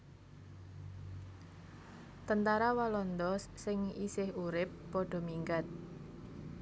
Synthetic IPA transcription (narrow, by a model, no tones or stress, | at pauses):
t̪ənt̪aɾawalɔnd̪ɔssɪŋisɪhuɾɪpːɔɖ̥ɔ̤miŋɡat̪̚